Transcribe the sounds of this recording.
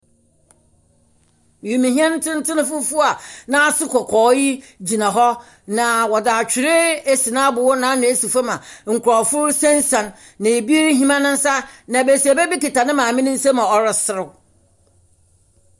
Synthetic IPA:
ju˨mĩ˨ɦĩ˦ɛ̃˦n˦tʰɪ̃˦n̩˦tʰɪ̃˦nʊ̃˦fʊ˦fʊ˦a˨nã˨a˨sʊ˦kʰɔ˨kʰɔː˨˦jɪ˦ | d͡ʑi˨nã˨ɦɔ˦ | nã˨wɔ˨da˨t͡ɕᶣɪ˨ɾɪ˦e˨si˨nã˦bʊ˨wʊ˦nã˨˦nʊ̃˨˦e˦si˨fa˦mã˨ŋ̩˨kʰʷʊ˨ɾɔ˨fʊ˦ɾʊ˦sɛ̃˦n˦sã˨nː | ɪ̃˨e˨bi˦e˦ɾɦĩ˦mã˦nɪ̃˦n̩˦sa˦nã˨be˨si˨e˨bɛ˦bi˦ki˨ta˨nɪ̃˦mã˨mɪ̃˦nɪ̃˦n̩˦sɛ˦mã˨ɔ˨ɾɪ˨sɪ˨ɾɪ˦

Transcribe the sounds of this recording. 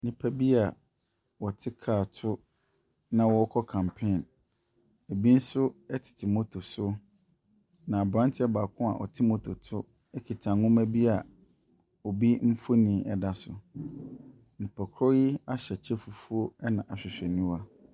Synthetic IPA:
nĩ˨pʰæ˦bi˦a˨ | wɔ˨tʰɪ˦kʰaː˦˨tʰʊ˦ | nã˨wɔ˦kʰɔ˦kʰã˨mpʰẽ˦˨n | e˨bi˦n̩˦sʊ˦ɛ˦tʰɪ̥˨tʰi˨mo˦tʰo˨sʊ˦ | nã˨a˨bɾã˦ntʰɪ˦ɛ˦ba˨kʰʊ̃˦a̰˨ʔɔ̰˨tʰi˦mo˨tʰo˨tʰʊ˦ | ɛ˦kʰi˨tʰã˨ŋʊ̃˦mæ̃˦bi˦a˨ | ɔ˨bi˦m̩˦fo˦nĩ˨˦ɛ˦da˨sʊ̰˨ | nɪ̃˨pʰɛ˨kʰɾɔ˦jɪ˦a˦ɕɛ˨t͡ɕʰɛ˦fu˨fu˦o˦ɛ˦nã˨ʔa˨ɕᶣɪ˨ɕᶣɛ˨nĩ˦wa˦

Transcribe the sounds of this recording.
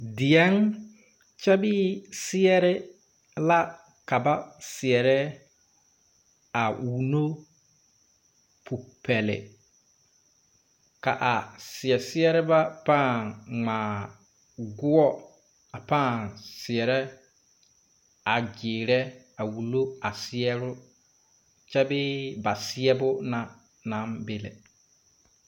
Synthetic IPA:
dɪ˨ɛ˦ŋ | t͡ʃa˦biː˦sɪ˦ɛ˦ɾɛ˦ | la˦ | ka˨ba˦sɪ˨ɛ˨ɾɛ˦ | a˨wu˨no˦ | pʰu˨pɛ˨lɪ̰˨ | ka˨ʔa˨sɪ˨ɛ˨sɪ˦ɛ˦ɾɛ˦ba˦paː˦˨ŋŋ͡maː˨ | ɡʊ˦ɔ˦ | a˨paː˦˨nsɪ˨ɛ˨ɾɛ˦ | a˨d͡ʒɪː˨ɾɛ˦ | a˨wu˨lo˦a˨sɪ˦ɛ˦ɾʊ˦ | t͡ʃɛ˦bɪ˦ba˨sɪ˦ɛ˦bʊ˦na˦ | nã˨˦mbɪ˦lɛ̰˨

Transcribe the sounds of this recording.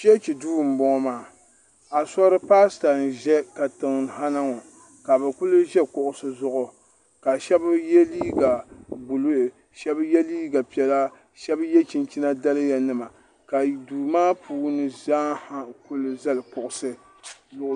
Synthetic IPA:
ʃɛ˦t͡ʃi˨duː˦˨m̩˨bɔ˦ŋɔ˦maː˨ | a˨sɔ˦ɾɨ˦paː˦sta˨n̩˨ʒɛ˦ka˨tɨ˨ŋ˨ha˦na˦ŋɔ˨ | ka˨bɛ˨kʊ˦lɨ˦ʒɛ˦kʊ˨ʔʊ˨sɨ˨zʊ˦ʔʊ˨ | ka˨ʃɛ˦bjɛ˦liː˦ɡa˨bʊ˨lʊ˦˨ | ʃɛ˦bjɛ˦liː˦ɡa˨pi˨ɛ˨la˦ | ʃɛ˦bjɛ˦t͡ʃi˦nt͡ʃi˦na˦da˦lɨ˦ja˨nɨ˦ma˨ | ka˨duː˨maː˦pʰuː˦nɨ˦za˦ha˦kʊ˦lɨ˦za˦lɨ˨kʊ˨ʔʊ˨sɨ˦ | lʊ˦ʔ

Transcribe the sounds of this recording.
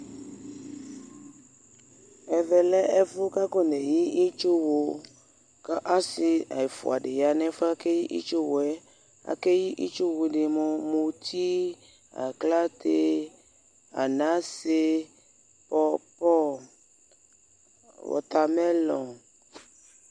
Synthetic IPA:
ɛ˨vɛ˨lɛ˦ɛ˦fo˦ka˦kɔ˦nɛ̃˨ji˦ʔi˦t͡ʃo˦wo˦ | ka˦ʔa˦si˨a˨i˨fṵ˨a̰˨ɖe˨ja˨nɛ̃˦fo˦a˦kɛ˦ji˦ʔḭ˦t͡ʃo˦wo˨ɛ˦ | a̰˨kɛ˦ji˦ʔi˦t͡ʃo˦wo˨ɖe˨mɔ̃˨mo˨t̪ʰi˦ | a̰˨kla˦t̪e˦ | a̰˨nã˨˦se˦ | pɔ˦pɔ˦ | wɔ̰˨t̪a˨mɛ̃˦lɔ̃˨

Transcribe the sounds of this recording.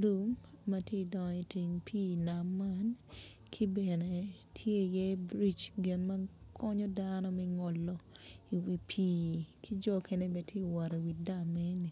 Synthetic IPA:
du˦mːa˦tje˦i˨dɔ˨ŋ˨i˨tʰi˨ŋpʰiː˦˨na˨mːa˦n | kʰi˦bɛ˨ne˨ | tʰje˦˨jɛ˦bɾi˦t͡ʃɡɪ˨nma˦kʰɔ˦ɲɔ˦danɔ˦mɛ˦ŋɔ˨lːɔ˦i˨wi˨pʰiː˦kʰi˦d͡ʒɔ˦ke˦ne˦bɛ˨tʰje˦˨wɔ˨ɾe˨wi˨da˦˨mɛ˦ni˨

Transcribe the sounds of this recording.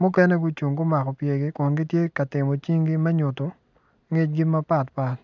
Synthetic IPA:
mʊ˦kɛ˦nɛ˦ɡʊ˦t͡ʃu˨ŋɡʊ˦ma˨kɔ˨pje˨ɡɪ˦kʊ˨nɡɪ˦tje˦ka˨tɪ˨mɔ˨t͡ʃi˦ŋɡɪ˦mɐ˦ɲʊ˨tɔ˨ | ŋe˦t͡ʃ̚ɡɪ˦mɐ˦pa˦˨tpa˨t

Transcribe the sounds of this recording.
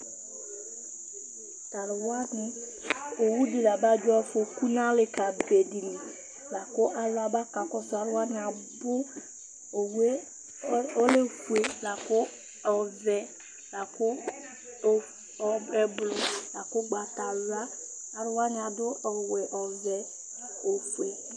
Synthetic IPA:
ta˨ɾʊ˨wa˦nɪ˨ | o˨wu˦di˨la˨ba˦d͡ʒu˦ɔ˦fo˨ku˦na˦lɪ˨ka˨be˨di˨ni˨ | la˨kʊ˦ʔa˦la˦ba˦ka˨kɔ˦sɔ˨a˨ɾwa˦nɪ˨a˨bʊ˦˨ | we˦ | ɔ˦le˦˨fu˨e˨la˨kʊ˦ | ɔ˨vɛ˨˦ | la˨kʊ˦˨ | ɛ˨blʊ˨la˨kʊ˦ɡ͡ba˨ta˨la˦a˨ɾʊ˨wa˦nɪ˨a˨dʊ˦ɔ˨wɛ˨ʔɔ˨vɛ˨ | o˨fu˨e˨

